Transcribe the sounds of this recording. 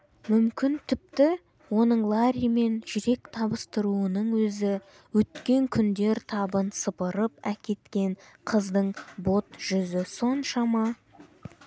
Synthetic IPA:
mʏmkʲɪnt̪ʰɪp̚t̪ɪ | wo̞nəɴlˠɑɾʲijme̞nʒʏɾe̞k̚t̪ʰɑbəst̪əɾuənəɴwɵzɪ | wɵt̪kʲe̞ŋkʲʰʏnd̪e̞ɾt̪ʰɑbənsəpəɾəpækʲe̞t̪kʲe̞ɴqʰəzd̪əɴbo̞t̪ʒ̥ʏzɪso̞nʃɑmɑ

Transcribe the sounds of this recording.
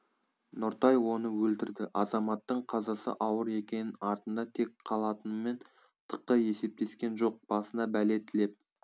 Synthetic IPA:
nʊɾt̪ɑjwo̞nəwɵlt̪ɪɾd̪ɪʔɑzɑmɑt̪ːəɴqʰɑzɑsə̰ʔɑwəɾe̞kʲe̞nɪɑɾt̪ənd̪ɑt̪ʰe̞kqʰɑlˠɑt̪ənəme̞n | t̪ʰə̥qːəje̞se̞p̚t̪e̞skʲe̞nʒo̞q̚b̥ɑsənd̪ɑbæle̞t̪ːɪle̞p̚

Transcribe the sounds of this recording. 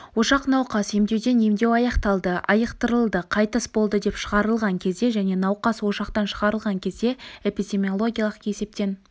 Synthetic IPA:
wo̞ʃɑqnɑwqɑse̞md̪e̞wd̪e̞ne̞md̪e̞wɑjɑqt̪ɑlˠd̪əɑjəqt̪əɾəlˠd̪əqʰɑjt̪əsbolˠd̪əd̪e̞pʃəʁɑɾəlˠʁɑŋkʲʰe̞zd̪e̞ʒæne̞nɑwqɑswo̞ʃɑqt̪ɑnʃəʁɑɾəlˠʁɑŋkʲʰe̞zd̪e̞e̞pid̪ʲe̞mʲio̞lˠo̞ɡʲijɑlˠəqje̞se̞p̚t̪e̞n

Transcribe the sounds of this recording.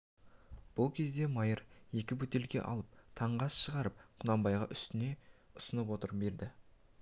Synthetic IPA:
b̥ʊlˠkʲʰe̞zd̪e̞mɑjəɾje̞kʲɪbɵt̪e̞lɡʲe̞̰ʔɑ̰lˠəp̚t̪ʰɑɴʁɑsʃəʁɑɾəp̚qʰʊnɑmbɑjʁɑʔʏst̪ɪne̞ʊsənəpwo̞t̪əɾbe̞ɾd̪ɪ

